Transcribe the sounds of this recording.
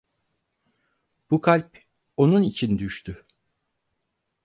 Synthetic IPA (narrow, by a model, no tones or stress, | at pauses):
b̥ukʰalʲp | o̞nunit͡ʃʰind̪yʃt̪ʰy